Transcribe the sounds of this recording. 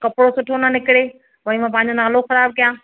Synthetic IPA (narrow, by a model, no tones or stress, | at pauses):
kɐpɪɽosʊʈʰonanɪkɪɽeː | ʋɐ̃ĩmãːp̬ãːɪ̃ɲ̆d͡ʑonaːloxɐɾaːb̚kijãː